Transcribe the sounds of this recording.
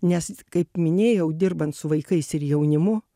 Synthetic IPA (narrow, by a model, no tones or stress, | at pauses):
nʲɛskɐɪpmʲɪnʲeːjɛʊd̪ʲɪrbɐnt̪sʊʋɐɪkɐɪsɪɾjɛʊnʲɪmʊ